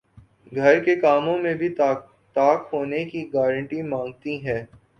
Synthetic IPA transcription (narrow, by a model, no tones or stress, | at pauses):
ɡʱɐɾkekaːmõmẽbʱi | t̪aːkɦoːnekiɡaːɾə̃ɳʈimãːŋɡ̚t̪iɦɛː